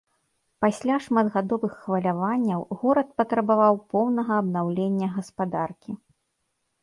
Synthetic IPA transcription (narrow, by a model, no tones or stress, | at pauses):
pasʲlʲaʂmad̪ɣad̪ɔvɨxːvɐlʲavanʲːɐwɣɔɾɐt̪̚pɐt̪ɾɐbavawpɔwnɐɣɐːbnawlʲenʲːɐɣɐspad̪arkʲi